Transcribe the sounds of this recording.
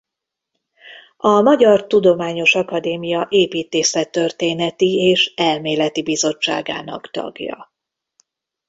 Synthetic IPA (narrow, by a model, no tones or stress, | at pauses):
ɒmɒɟɒrt̪ud̪o̞maːɲo̞ʃɒkɒd̪eːmijɒʔeːpiːt̪eːsɛt̪ːørt̪eːnɛt̪ieːʃɛlmeːlɛt̪ibizo̞t͡ʃːa̰ːɡa̰ːnɒ̰kt̪ɒ̰ɡjɒ̰